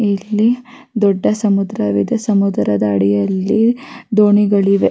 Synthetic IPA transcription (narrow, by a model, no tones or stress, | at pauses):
ilːi | d̪ɔɖːɐsɐmud̪ɾɐʋid̪ɐsɐmud̪ɾɐd̪ɐːɽijɐlːid̪oːɳiɡɐɭiʋe